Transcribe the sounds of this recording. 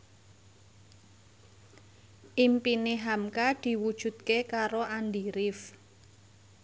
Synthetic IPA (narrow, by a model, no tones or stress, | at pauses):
ʔimpineɦamkad̪̥i̤wud̥ʒ̥ṳt̪̚kekaɾoand̪iɾɪf